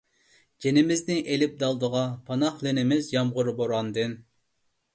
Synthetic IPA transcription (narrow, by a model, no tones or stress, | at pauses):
d͡ʒenɪmɪznɪŋʔelɪp̚d̪ɑlˠd̪əʁɑpʰɑnɑχlɪnɪmɪzjɑmʁʊɾboɾɑnd̪ɨn